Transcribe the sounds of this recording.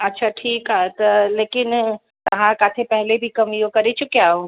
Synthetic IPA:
ɐtːʃʰaʈʰiːkat̪əleːkɪn | t̪ɐɦãkaːt̪ʰepɛɦlebʱikɐmijokɐɾet͡ʃukeaːõ

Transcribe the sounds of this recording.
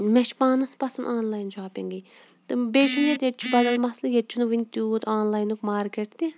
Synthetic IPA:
meʃpaːnɐspɐsɐnʔaːnlaːjnd͡ʒaːpʲiŋɡi | t̪ɨbeːʃinjɐt̪jet̪̚t͡ʃʰubɐd̪ɐlmɐslɨjet̪̚ʲt͡ʃʰunuʋinʲt̪uːt̪aːnlaːjnukmaːɾkeʈt̪i

